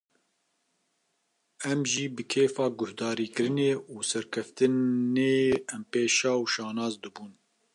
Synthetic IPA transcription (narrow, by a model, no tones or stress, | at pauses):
ɛmʒiːbɨkʰeːfɑːɡʊhd̪ɑːɾiːkɨɾɨneːuːsɛɾkʰɛft̪ɨeːɛmpeːʃɑːwʃɑːnɑːzd̪ɨbuːn